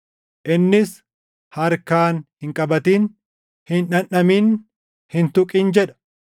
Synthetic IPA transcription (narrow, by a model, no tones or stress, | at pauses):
ʔɪnːɪs | hɐɾkaːnhɪŋkʼɐbɐt̪iːn | hɪnᶑɐnʔɐmiːn | hɪnt̪ʊkʼiːnd͡ʒɛᶑɐ̥